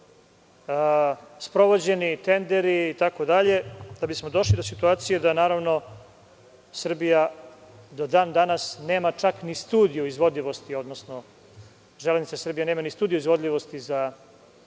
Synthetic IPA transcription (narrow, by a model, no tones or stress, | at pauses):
əspɾo̞ʋo̞d͡ʑe̞nit̪e̞nd̪e̞ɾiːt̪ako̞d̪aʎe̞d̪̥abismo̞d̪o̞ʃlid̪o̞sit̪uaːt̪sijed̪anaːɾaʋno̞ | sr̩bija | d̪od̪aːnd̪anasne̞ːmat͡ʂaknist̪uːd̪ijoizʋo̞d̪ʎʲiʋo̞st̪io̞d̪nosno | ʒeleznit̪asr̩bijeneːmanist̪uːd̪ijoizʋo̞d̪lʎʲiʋo̞st̪iza